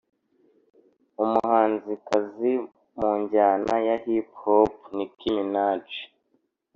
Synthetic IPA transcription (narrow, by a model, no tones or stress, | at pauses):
umuhaːnzikazi | muːɲɟaːnajahiphopnikiminaːt͡ʃe̥